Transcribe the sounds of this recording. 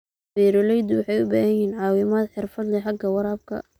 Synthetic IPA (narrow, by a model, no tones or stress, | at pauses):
fɛːɾɔlɛjd̪wɑħɑjʊbaːhɐjiːnʕɑːwɪmaːd̪ħɪrfɐd̪lɛħɑɡɐwɑɾaːb̚kʰɐ̰